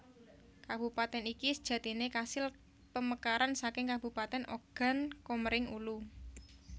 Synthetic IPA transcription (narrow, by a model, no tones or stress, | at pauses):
kab̥ṳpat̪ɛnikisə̥d̥ʒ̥ä̤t̪inekasɪl | pəməkaɾansakɪŋkab̥ṳpat̪ɛnʔoɡ̥a̤nkoməɾɪŋulu